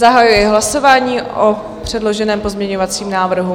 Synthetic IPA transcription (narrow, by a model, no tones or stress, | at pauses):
zaɦajujɛɦlaso̞vaːɲiːʔo | pr̝̥ɛdlo̞ʒɛnɛːmpo̞zmɲɛɲovat͡siːmnaːvr̩ɦu